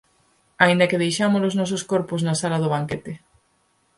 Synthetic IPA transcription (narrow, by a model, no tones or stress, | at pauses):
aĩnd̪akeðejʃamoloznɔs̬oskoɾpoznasalaðʊβ̞aŋket̪ɪ